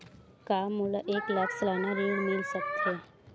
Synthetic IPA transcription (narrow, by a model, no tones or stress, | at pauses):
kaːmːʊlʔeːklakʰslaːnaɾiɽmɪlsək̚t̪ɦeː